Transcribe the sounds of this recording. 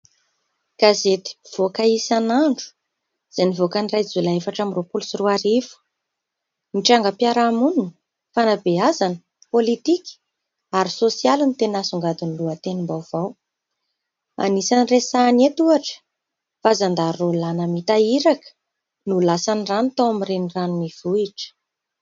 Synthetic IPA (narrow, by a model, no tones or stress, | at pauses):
ɡ̥azet̪i̥v̥okaisanaɳɖ͡ʐu̥ | z̥anivokanirajd͡zulaefaʈ͡ʂamropulusiruaɾifu̥ | miʈ͡ʂaŋɡəpjaɾaamunun | fanabeazanə̥ | polit̪ikʲi̥ | aɾisosialinit̪enasuŋɡad̪uniluət̪enimbawv̥aw | a̰nisaniresanet̪uaʈ͡ʂə̥ | fazand̪aɾrolanəmit̪aiɾakə̥ | nulasaniranut̪awamirenranumiv̥uiʈ͡ʂə̥